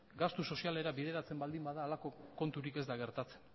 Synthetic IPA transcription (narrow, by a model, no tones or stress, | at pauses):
ɡast̪uso̞siale̞ɾabið̞e̞ɾat͡se̞mbald̪imbaðaːlako̞ko̞nt̪uɾike̞zd̪aɣe̞ɾt̪at͡se̞̥n